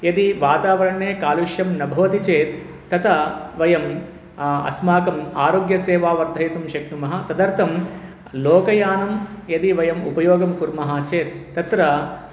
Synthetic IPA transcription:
jɐd̪iʋaːt̪aːʋɐɾɐɳːeːkaːluʃjɐmnɐbʱɐʋɐt̪it͡ʃeːt̪ː | ɐt̪ɐʋɐjɐm | ɐ̰smaːkɐma̰ːɾoːɡjɐseːʋaːʋɐɾd̪ʱɐjɐt̪umʃɐkɳumɐɦɐt̪ɐd̪ɐɾt̪ʰɐm | loːkɐjaːnɐmjɐd̪iʋɐjɐmupɐjoːɡɐmkuɾmɐɦaːt͡ʃeːt̪ːɐt̪ɾɐ

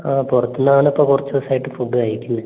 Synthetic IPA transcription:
aːpurɐt̪ːunːaːɳɐpːoːkurɐt͡ɕːɐʋɐsaːjiʈːɨfuɖːɨajɾikʲːunːɐ

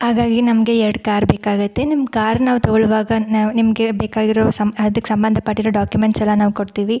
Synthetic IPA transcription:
ɦaːɡaːɡinɐmɐɡe̞ɛɾɽkaːɾbeːkaːɡɐt̪ːe̞nimkaːɾnaːʋt̪ɐɡɐɭuʋaːɡɐnːnimɐɡe̞beːkaːɡiɾoːsɐmɐd̪ɐkːesɐmbɐnd̪ʱɐpɐʈːiɾoːɖaːkjumeɳʈsɛlːɐnaːʋukoɽt̪iːʋi

